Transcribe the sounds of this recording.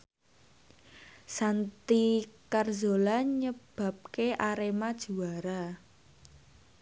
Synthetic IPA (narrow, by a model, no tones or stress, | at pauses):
sant̪ikarzolaɲəb̥ä̤p̚keʔaɾemad̥ʒ̥ṳaɾa